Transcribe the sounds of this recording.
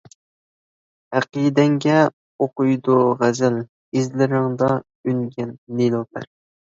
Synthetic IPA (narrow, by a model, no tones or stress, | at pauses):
hæqid̪ɛŋɡʲɛ | oqʊjd̪uʁæzɪl | izlɪɾɪŋd̪ɑ | ynɡʲɛnːelopʰæ̰ɾ